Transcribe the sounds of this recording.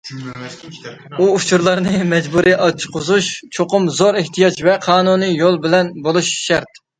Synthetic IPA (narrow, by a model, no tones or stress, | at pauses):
uːt͡ʃʰuɾlˠɑɾnɨmɛd͡ʒbuɾʔiʔɑt͡ʃʰqʰʊzuʃt͡ʃʰoqʊmzoɾɪht̪ʰijɑt͡ʃvɛqʰɑːnunɨjolˠbɪlɛnbolˠuʃʃɛɾt̪